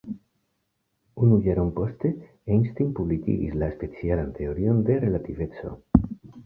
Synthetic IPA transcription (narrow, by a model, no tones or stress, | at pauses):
unujaɾonpo̞ste̞ | ejnst̪inpublikḭɡḭslaespe̞t͡sialante̞o̞ɾio̞nde̞ɾe̞lative̞t͡so̞̰